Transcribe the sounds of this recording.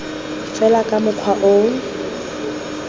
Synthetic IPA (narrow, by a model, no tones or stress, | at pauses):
fɛlakʼamʊkʰwaʔo